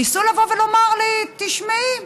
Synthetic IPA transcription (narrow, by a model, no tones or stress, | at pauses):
isulavovelo̞maʁlit̪iʃmai